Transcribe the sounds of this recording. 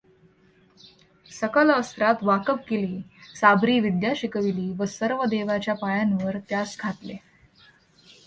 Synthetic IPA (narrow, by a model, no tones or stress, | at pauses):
səkələst̪ɾat̪ʋakəp̚keliːsabɾiːʋid̪jaɕikəʋiliːʋəsəɾʋəd̪eʋat͡ɕjapajanʋəɾt̪jasɡʰʱat̪le